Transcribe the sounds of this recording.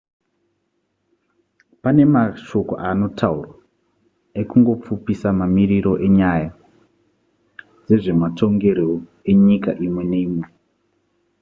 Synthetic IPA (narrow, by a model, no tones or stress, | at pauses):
pane̞maʃo̞ko̰ʔano̞tʰaurwa | ekuŋɡo̞p͡fupisamamiriɾo̞ʔe̞ɲaja | d͡ze̞ʐe̞matʰo̞ŋɡe̞ɾoe̞ɲikaʔimwe̞nemwe